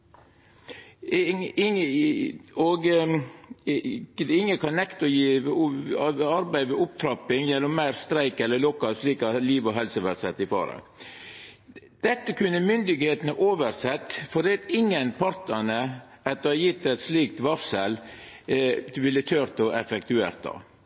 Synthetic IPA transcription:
ɪ | ɔɡ | ɪŋːəkʰɑnnːɛkt̪ɔjiː | ɑɾbæɪʋɛʊp̚t̪ʰɾɑpɪŋjɛlːɔmmæɪɾst̪ɾæɪkɛlːəlʊkːɑsliːkɑliːʋɔɦɛlsəʋæɾsɛt̪ːɪfɑ̰ːɾɑ̰ɡ | d̪̥ɛt̪ːəkʰʉnːəmʏnd̪ɪɡheːt̪nəʔoːʋəɾsɛt̪ːfɔɾd̪ɛɑt̪ɪŋːənpʰɑɾt̪ənə | ɑt̪ːəɑjɪt̪ːɛt̪sliːk̚t̪ʋɑsəl | ʋɪlːət̪ʰœɾt̪ɔʔɛfɛkt̪ʉḛːɾt̪ːɑ̰

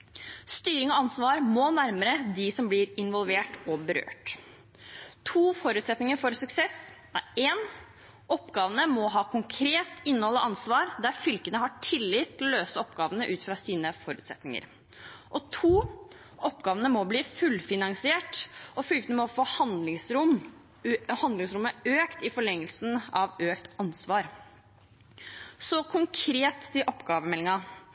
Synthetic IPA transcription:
st̪yːɾɪŋɔɑnsʋɑːɾmɔnæɾməɾəd̪ɪsɔmblɪːɾɪnʋɔlʋeːʈɔbəɾø̰ːʈ | t̪ʰuːfɔɾʉːt̪sɛt̪nɪŋəɾfɔɾsʉksɛs | æeːn | ɔpɡɑːʋənəmɔɦɑːkʰʊŋkʰɾeːt̪ɪnːəhɔlːəʔɑnsʋɑːɾd̪æɾfʏlkənəɦɑʈʰɪlːɪt̪ʰːɪlɔløːsəɔpɡɑːʋənəʔʉːt̪fɾɑsiːnəfɔɾʉ̰ːt̪sɛt̪nɪŋə̰ɾ | ʔɔt̪ʰuː | ʔɔpɡɑːʋənəmɔbliːfʉlfɪnɑŋsɪeːʈɔfʏlkənəmɔfohɑnlɪɾʊm | hɑnd̪lɪŋsɾʉmːəøːkt̪ɪfɔɭɛŋːəlsn̩ɑʋøːkt̪ɑnsʋɑːɾ | sɔkʰʊŋkʰɾeːt̪ɪʔɔpːɡɑːʋəmɛlːɪŋɑ

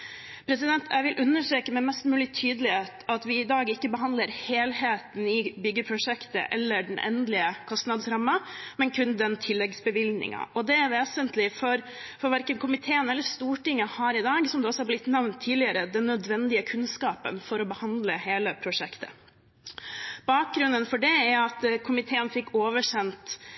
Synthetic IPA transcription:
pʰɾɛsɪd̪ɛnt̪ʰæɪʋɪlʔʉnːəʂʈɾeːkəmɛmɛst̪mʉːlɪt̪ʰyːd̪əlɪheːt̪ɑt̪ʋɪɪd̪ɑːɡɪkːəbəɦɑnd̪ləɾheːlheːt̪n̩ɪbʏɡːəpʰɾʊʂɛkt̪ə̰ʔɛlːəɖɛn̩ʔɛ̰nd̪lɪəkʰɔst̪nɑd̪sɾɑmːɑmɛnkʰʉnd̪ɛnt̪ʰɪlːɛɡsbəʋɪlnɪ̰ŋɑ̰ʔɔd̪ɛæɾʋeːsənt̪lɪfɔɾ | fɔɾʋæɾkənkʰʊmɪt̪ʰeːənɛlːəst̪uːʈɪŋːəhɑːɾɪd̪ɑːɡsɔmd̪ɛɔsːɔhɑɾblɪt̪nɛʋnt̪ʰːiːlɪəɾəd̪ɛnːœd̪ʋɛnd̪ɪəkʰʉnskɑːpə̰nfɔɾɔbəhɑnd̪ləheːləpʰɾʊʂɛkt̪ə̰ | b̥ɑːk̚ɡɾʉnənfɔɖɛæɾɑt̪kʰʊmɪt̪ʰeːənfɪkːoːʋəʂɛnt̪

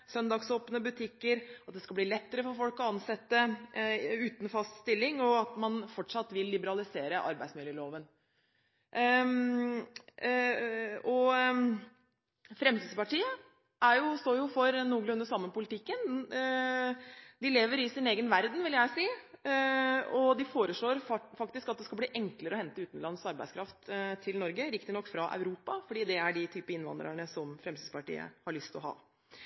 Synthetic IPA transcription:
sœnd̪ɑːɡsoːpnəbʉt̪ʰɪkːəɾɑt̪̚d̪ɛskɑbliːlɛt̪ːəɾəfɔɾfɔlkɔɑnsɛt̪ːə | ʉːt̪n̩fɑst̪st̪ɪlːɪŋɔɑt̪mɑnfɔʈʂɑt̪ːʋɪlːɪbəɾɑlɪseːɾəʔɑ̰ɾbæɪsmɪljəːloːʋən | ʔ | ɔ | fɾɛmt̪iːd̪spɑʈiːə | ʔæɾjʊst̪oːɾjʊfɔɾnuːɡɭʉnd̪əsɑmːənpʊlɪt̪ʰɪkːən | d̪ɪleːʋəɾɪsɪneːɡənʋæɾd̪n̩ʋɪljæɪsiː | ɔd̪ɪfoːɾəʂɭoːɾfɑkt̪ɪskɑt̪̚d̪ɛskɑbliːʔɛŋkləɾəɔhɛnt̪əʉːt̪n̩lɑnːsɑɾbæ̰ɪskʰɾɑft̪t̪ʰɪlnɔɾɡəɾɪkt̪ɪnɔkːfɾɑʔa̰ʉɾuːpɑfɔɖiːd̪ɛæɖɪt̪ʰyːpəɪnʋɑ̰nd̪ɾə̰ɳəsɔmfɾɛmsiːspɑʈḭːə̰hɑɭʏst̪ɔɦɑ̰ː

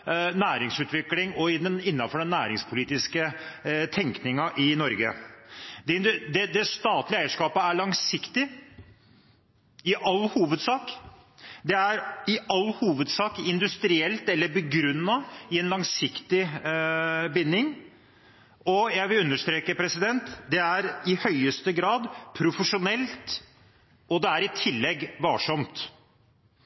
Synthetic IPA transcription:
næːɾɪŋsʉːt̪ʋɪklɪŋɔɪd̪ɛnɪnːɑfɔɖɛnːæːɾɪŋspʰʊliːt̪ɪskət̪ʰɛŋknɪŋɑʔɪnɔɾɡə | d̪ɛɪnd̪d̪ɛd̪ɛst̪ɑːt̪lɪəæɪəʂkɑːpəæɭɑŋsɪkt̪ɪ | ɪʔɑlːhuːʋəd̪sɑːk | d̪ɛæɾɪʔɑlːhuːʋəd̪sɑːkɪnd̪ʉst̪ɾɪɛlt̪ɛlːəɾbəɡɾʉnːɑɪɛnlɑŋsɪkt̪ɪ | bɪnːɪŋ | ɔjæɪʋɪlʉnːəʂt̪ɾeːkəpʰɾɛsɪd̪ɛnt̪d̪ɛæɾɪhœʏəst̪əɡɾɑːd̪pʰɾʊfəʂʊnɛlt̪ | ɔd̪ɛæɾɪt̪ʰɪlːɛɡːʋɑːʂɔmt̪

